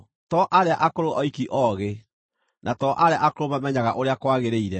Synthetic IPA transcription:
tɔʔaɾeaʔakoɾoʔɔikiʔɔɣe | nʔatɔʔaɾeaʔakoɾomamɛɲaɣaʔoɾeakwaɣeɾeiɾɛ

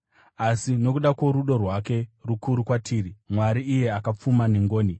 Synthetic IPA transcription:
asino̞kuɗakwo̞ɾuɗo̞rwake̞rukuɾukwatʰiːɾimwaɾiːje̞akap͡fumaneŋɡoːni

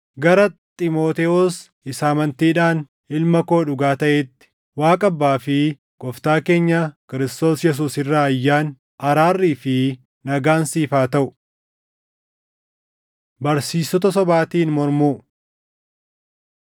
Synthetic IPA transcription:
ɡɐɾɐt̪ʼɪmo̞ːt̪ɛɔs | ɪsaːmɐnt̪iːᶑaːn | ɪlmɐko̞ːᶑʊɡaːt̪ɐʔet̪ːɪ̥ | waːkʼɐbːaːfɪ | ɡ̥ɔft̪aːke̞ːɲːɐkɪɾɪst̪o̞ːsjɛs̬uːsɪrːaːɐjːaːn | ʔɐɾaːrːiːfɪ | nɐɡaːnsiːfaːt̪ɐʔʊ̥ | bɐɾsiːsːɔt̪ɐsɔbaːt̪iːnmɔɾmuː

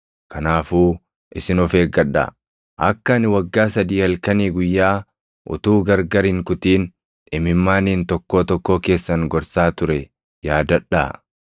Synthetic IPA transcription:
kʰɐnaːfuː | ʔɪsɪnɔfeːɡɐᶑɐ̰ | ʔɐkːɐnɪwɐɡːaːsɐd̪iːhɐlkɐniːɡʊjːaː | ʔʊ̰t̪uːɡɐɾɡɐɾɪŋkʊt̪iːn | ᶑɪmɪmːaːniːnt̪ɔkːo̞ːt̪ɔkːo̞ːke̞ːsːɐŋɡɔɾsaːt̪ʊɾɛ | jaːd̪ɐᶑːa̰

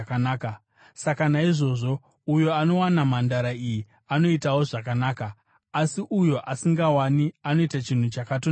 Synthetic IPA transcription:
kanaːka | sakanaiʐo̞ːʐo̞ | ujo̞ano̞wanamandaɾaiji | ano̞itawo̞ʐakanaːkaː | siʔujo̞ʔasiŋɡawaniano̞itat͡ʃin̤ut͡ʃakato

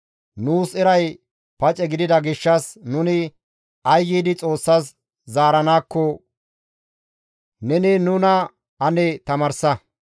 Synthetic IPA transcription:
nuːsɛɾɐj | pɐt͡ʃʼɛɡɪd̪ɪd̪ɐɡɪʃːɐsnʊnɪ | ɐjːiːd̪ɪt͡sʼo̞ːsːɐs | zaːɾɐnaːkːɔ | nɛnɪnʊnɐ | ɐnɛt̪ɐmɐɾsɐ

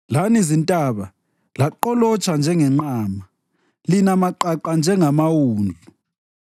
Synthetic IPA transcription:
lanizintʼaβa | laǃɔlɔt͡ʃʰʼand͡ʒʱɛŋɛŋ͡ǃaːma | linamaǃaǃand͡ʒʱɛŋamawuːnd͡ɮʱu

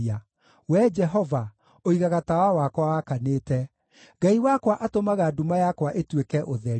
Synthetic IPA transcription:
a | wɛd͡ʒɛɦɔva | oiɣaɣatawawakwawakaneːtɛ | ɡaiwakwaʔatomaɣadumajakwaʔetwekɛʔoðɛ

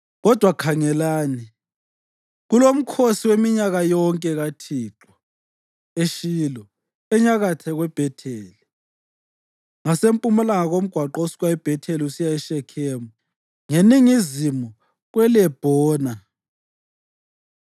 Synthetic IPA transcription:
ɣɔd̥ʱwakʰaŋɛlaːni | ɣulom̩kʰosiwemiɲaɣajɔŋkʼɛɣatʰiːǁwḁ | eʃiːlɔ | ɛɲaɣatʰɛɣwɛb̥ʱɛtʰeːli | ŋasempʼumɛlaŋaɣom̩ɡ̥ʱwaǃosi̥ɣwaɛb̥ʱɛtʰeliusijaɛʃɛkʰɛːmu | ŋeniŋizimu | ɣwɛlɛb̥ʱɔːna

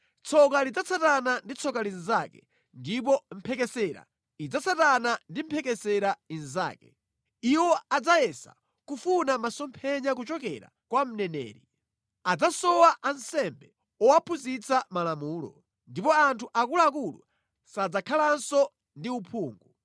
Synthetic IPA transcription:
t͡sʰɔkalid͡zat͡sʰatanandit͡sʰɔkalinzakɛ̰ | ndip̬ɔm̩pʰɛkɛsɛɾa̰ | id͡zat͡satanandim̩pʰɛkɛsɛɾainza̰ːkɛ | iwɔad͡zajɛsa̰ | kufunamasɔmpʰɛɲak̬ut͡ʃɔkɛɾa̰ | kwam̩nɛnɛ̰ːɾi | ad͡zasɔwaʔansɛmbɛ | ɔwapʰuzit͡samalamuːlɔ̰ | ndipɔantʰuʔakulaakulṵ | sad͡zakʰalansɔ | ndiupʰuːŋɡu

